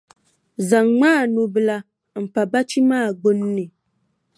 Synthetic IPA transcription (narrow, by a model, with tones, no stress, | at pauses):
za˨ŋŋ͡maː˦˨nu˨bɨ˨la˨ | m̩˨pa˨ba˦t͡ʃi˦maː˦˨ɡ͡bo˦nː˦ɨ˨